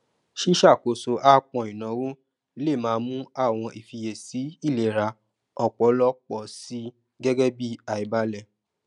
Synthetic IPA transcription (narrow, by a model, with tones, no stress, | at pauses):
ʃi˦ʃa˦˨ko˨so˧ʔa˦k͡pɔ̃˧˨i˨nã˨˦wo˦ | le˦˨mãː˨˦mũ˦a˦˨w̃ɔ̃˧ʔi˨fi˧je˨si˨˦i˦˨le˨ɾa˧ | ɔ˨k͡pɔ˨˦lɔ˦k͡pɔ˨si˨˦ | ɡɛ˦ɡɛ˦bi˦a˨i˨ba˦lɛ˦˨